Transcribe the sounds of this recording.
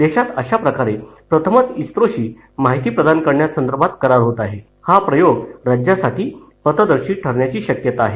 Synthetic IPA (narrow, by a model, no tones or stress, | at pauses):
d̪eɕat̪əɕapɾəkaɾepɾət̪ʰəmət̪ist̪ɾoɕiː | maɦit̪iːpɾəd̪ʱankəɾɳjasənd̪əɾbʱat̪kəɾaɾɦot̪aɦe | hapɾəjoɡɾad͡ʑjasaʈʰiː | pət̪əd̪əɾɕiːʈʰəɾɳjat͡ɕiːɕəkjət̪aːɦe